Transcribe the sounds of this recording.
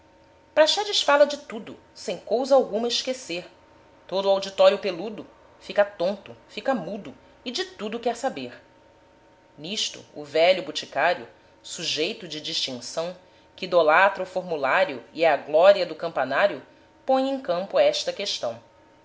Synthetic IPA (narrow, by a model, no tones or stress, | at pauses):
pɾaʃɛd͡ʒɪʃfalɐd͡ʒɪt̪ud̪ʊ | sẽj̃kowzɐawɡũmɐɪʃkeseɾ | t̪od̪ʊawd͡ʒit̪ɔɾjʊpelud̪ʊ | fikɐt̪õnt̪ʊfikɐmud̪ʊ | ɪd͡ʒɪt̪ud̪ʊkɛɾsabeɾ | niʃt̪ʊ̰ːvɛʎʊbut͡ʃikaɾjʊ̰ | suʒejt̪ʊd͡ʒɪd͡ʒiʃt͡ʃĩŋsɐ̃w̃ | kɪd̪olat̪ɾɐʊfoɾmulaɾjʊiɛɐɡlɔɾiɐd̪ʊkɐ̃mpanaɾjʊ | põj̃ẽj̃kɐ̃mpʊɛʃt̪ɐkeʃt̪ɐ̃w̃